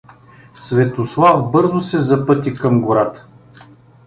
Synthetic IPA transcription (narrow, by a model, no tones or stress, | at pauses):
svɛt̪oslˠavbɤɾzʊsɛzɐpɤt̪ʲikɐmɡoɾat̪ə̥